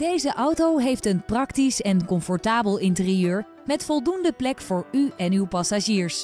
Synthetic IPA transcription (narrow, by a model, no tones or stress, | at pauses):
d̥ejzəʔɑwtowɦejftənprɑktisɛnkɔmfɔɹtaːbəlˠɪntərijøːɹ | mɛtfɔlˠdundəplɛkfʊːɹyɛnywpɑsaʒiːɹs